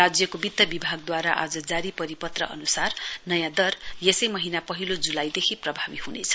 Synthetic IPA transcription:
rad͡zjʌkobit̪ːʌbibʱaɡ̚d̪waɾaʔa̰d͡zʌd͡zaɾipʌɾipʌt̪rʌ̰ʔʌ̰nusarnʌjãd̪ʌrjesʌjmʌɦinapʌɦilod͡zulajd̪ekʰiprʌbʱabihunḛt͡sʰʌ̥

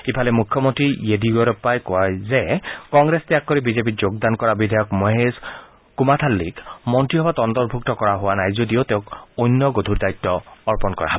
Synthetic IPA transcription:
ipʰalemukʰjɔmɔnt̪ɾijed̪iɡɔɾɔpajkajzekɔŋɡɾest̪ijakːɔɾibizep̬id͡ʒoɡd̪ankɔɹabid̪ʱajɔkmoɦez | kumat̪ʰalːikmɔnt̪ɹiɦɔbat̪ɔnd̪ɔɾbʱuk̚t̪ɔkɔɹaɦʊanajzod̪iot̪eʊ̃kojnːɔɡod̪ʱuɾd̪ajt̪ːɔːɹpɔnkɔ̰ɹa̰ɦbɔ

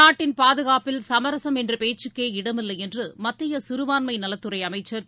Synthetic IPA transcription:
aːʈːɪnpaːðɯɣaːpɪlsɐmɐɾɐsɐmɛndrɯpeːt͡ʃːɯkːeːɪɽɐmɪlːɐɪɛndrɯmɐt̪ːɪjɐsʊɾɯʋaːnmɐɪnɐlɐt̪ːɯɾɐɪɐmɐɪt͡ʃːɐɾ

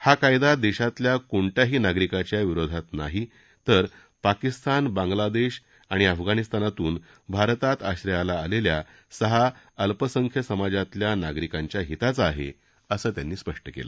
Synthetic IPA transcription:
hakajd̪ad̪eɕat̪ljakoɳʈjaɦiːnaɡɾikat͡ɕjaʋiɾod̪ʱat̪na̰ɦi | t̪əɾ | pakist̪ʰanbãŋɡlad̪eɕ | aɽ̃iəfɡanist̪anat̪uːn | bʱaɾt̪at̪aɕɾəjalaːlelja | səɦa | əlpəsəŋkʰjəsəmad͡ʑat̪ljanaɡɾikaɲt͡ɕjaɦit̪at͡səaɦḛ | əsəːt̪janːiːspəʂʈəkḛlə̰

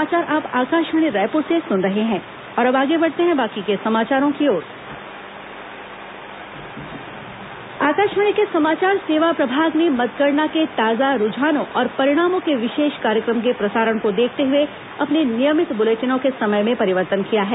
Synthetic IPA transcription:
aːt͡ʃaːɾʔaːpaːkaːʃəɽ̃iɾɛːpõsesʊnɾɐɦeɦɛ̃ː | ɔːɾɐbaːɡebɐɽt̪eɦɛ̃baːkikesɐmaːt͡ʃaːɾõkioːɾ | aːkaːʃəɽ̃ikesɐmaːt͡ʃaːɾseːʋapɾɐbʱaːɡnemɐt̪̚ɡəɾnaket̪aːzaɾʊd͡ʒʱaːnõʔɔːɾpɐɾɪɽ̃aːmõkeʋɪʃeːʃkaːɾjəkɾəmk̬epɾɐsaːɾəɽ̃kod̪eːkʰt̪eɦʊe | ɐpnenɪjəmɪt̪bʊleːt͡ʃənõkesɐməjmẽpɐɾɪʋəɾt̪ənkijaɦɛː

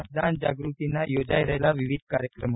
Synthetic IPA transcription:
d̪and͡ʑaɡɾut̪inajod͡ʑajɾəjlaʋiʋid̪̚ʱkaɾjəkɾəm

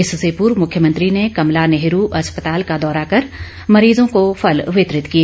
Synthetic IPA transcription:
ɪssepuːɾmʊkʰjəmɐ̃nt̪ɾinekɐmlanɛɦɾuʔɐspət̪aːlkad̪ɔːɾakɐɾ | mɐɾiːzõkofʰɐlʋɪt̪ɾɪt̪kie

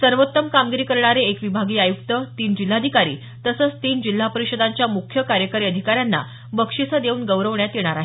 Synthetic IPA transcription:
səɾʋot̪ːəmkamɡiɾiːkəɾɳaɾeekʋibʱaɡiːajukt̪ət̪iːnd͡ʑil̤ːad̪ʱikaɾḭː | t̪əsəːt͡st̪iːnd͡ʑil̤ːapəɾiɕəd̪aɲt͡ɕjamukʰjəkaɾjəkəɾiːəd̪ʱikaɾjanːa̰ | bəkʂit͡səd̪euːnɡəʋɾəʋɳjat̪jeɽ̃aɾaɦe

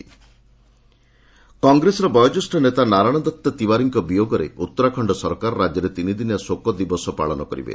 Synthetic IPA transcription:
kɔŋɡɾesɔɾɔbɔjɔd͡ʒɔsʈɔnet̪anaɾaɽ̃ɔd̪ɔt̪ːɔt̪ibaɾiŋkɔbijoɡɔɾeut̪ːɔɾakʰɔɳɖɔsɔɾkaɾɔɾad͡ʒjɔɾet̪inid̪injasokɔd̪ibɔsɔpa̰ɭɔnɔkɔɾḭbḛ

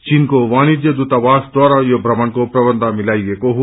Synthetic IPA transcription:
t͡ʃiːnkoʋãːnid͡ʒ̪jəd̪ut̪aʋaːsd̪aːɾajobʱɾɐməɳkopɾɐbənd̪ʱamɪlaːiekoɦ

